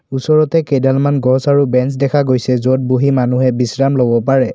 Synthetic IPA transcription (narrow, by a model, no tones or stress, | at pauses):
usɔɹɔtɛkedalmanɡɔsaɹubɛnsdɛkʰaɡojsɛzot̚boɦimanuɦɛbisɹamlobɔpaɹɛ